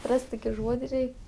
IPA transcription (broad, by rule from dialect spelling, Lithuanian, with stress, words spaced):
ˈrɐsʲtʲ ˈtoːkʲɪ ˈʒuɔdʲɪ ˈrʲɛɪ